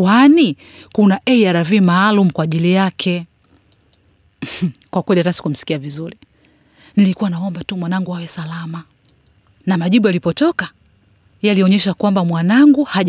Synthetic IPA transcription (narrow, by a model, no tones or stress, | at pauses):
ani | kunaʔɛiaɾavimaːlum̩kwaːʄilijakʰɛ | kwakwɛlihatasi̥kum̩si̥kiavizuɾi | nilikuwanaɔmbatumwanaŋɡuhawɛsalama | namaʄiɓualipɔtɔka | aliɔɲɛʃakwambamwanaŋɡuhaʄ